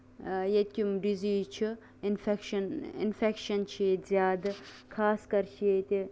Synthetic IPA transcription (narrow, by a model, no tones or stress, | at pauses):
jet̪̚ʲkʲumɖiziːt͡ʃʰi | infekʃɐnḭnfekʃɐnt͡ʃʰiet̪zjaːd̪ɨkʰaːskɐɾt͡ʃʰijet̪ʲi